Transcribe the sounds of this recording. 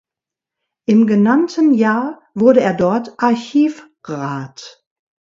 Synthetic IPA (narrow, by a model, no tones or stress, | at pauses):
ʔɪmɡənantʰənjaːɐ | vʊɐɾəeːɐdɔɐtʔaɐçiːf | ʁaːt